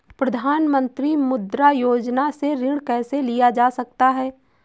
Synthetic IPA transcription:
pɾɐd̪ʱaːnmə̃nt̪ɾimʊd̪ɾajoːd͡ʒnaseɾɪɽ̃kɛːselijad͡ʒaːsɐkt̪aɦɛː

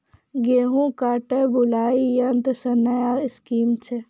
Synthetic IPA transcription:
ɡeːɦũkaːʈebʊlaːijɐnt̪əsɐnːɐjaɪskiːmt͡ʃʰe

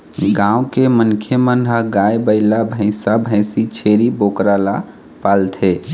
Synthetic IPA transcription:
ɡãʊ̃kemənkʰemənɦəɡajbəɪlabʱə̃ɪ̃sabʱə̃ɪsit͡ʃʰeɾibokɾala | palt̪ʰe

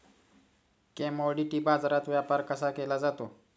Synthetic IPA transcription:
kɛ̃moɽiʈiːbad͡zɾat̪ʋjapaɾkəsakelad͡zat̪o

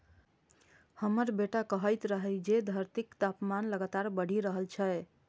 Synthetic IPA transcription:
həməɾbeʈakəɦəjt̪ɾəɦəɪd͡ʒed̪ʱəɾt̪ikt̪apmanləɡat̪aɾbəɽ̤ʱiɾəɦəlt͡ʃʰəe

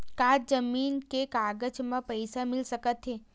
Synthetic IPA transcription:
kaɾd͡ʒəmiːnkekaːɡəd͡ʒmãpəjsamɪlsəkət̪ɦe

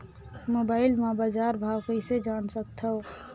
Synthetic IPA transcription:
moːbaːɪlmabad͡ʒaːɾbʱaːwkəɪsed͡ʒaːnsək̚t̪ʰəo

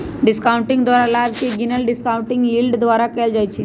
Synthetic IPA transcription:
ɖɪskaʊɳʈĩŋɡd̪ʋaɾalabkeɡinəlɖɪskaʊ̃ɳʈĩŋɡilɖd̪ʋaɾakejld͡ʒajt͡ʃʰi

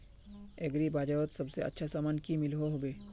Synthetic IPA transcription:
eɡɾibaːd͡ʒaʋot̪sɐbseɐ̰tːʃʰasaːmaːnkimɪlɦoɦobeː

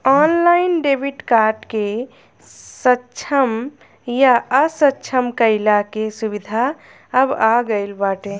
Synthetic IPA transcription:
ɔnlaɪnɖebʱiʈkaɾɖke | sətːt͡ʃʰəm | jaəsətːt͡ʃʰəmkəɪlakesubid̪ʱa | əbaɡəɪlbaʈẽ

